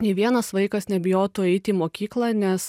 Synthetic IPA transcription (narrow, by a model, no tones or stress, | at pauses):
nʲɛɪʋʲiɛnɐsʋɐɪkɐsnʲɛbʲɪjoːt̪uːɛɪt̪ʲɪːmoːkʲiːklˠɑnʲɛs